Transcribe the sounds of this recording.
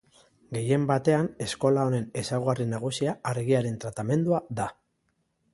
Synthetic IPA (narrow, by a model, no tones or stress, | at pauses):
ɡe̞je̞mbat̪e̞ane̞sko̞lao̞ne̞ne̞sawɣarinaɣ̞usiaːɾɣiaɾe̞nt̪ɾat̪ame̞nd̪uaða